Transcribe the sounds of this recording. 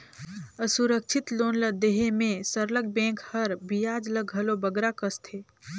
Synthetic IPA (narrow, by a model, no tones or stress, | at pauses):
əsuɾək̚t͡ʃʰit̪loːnləd̪eɦemẽsəɾləɡ̚bɛ̃ːŋkhəɾbijad͡ʒləɡɦəlobəɡɾakəst̪ʰeː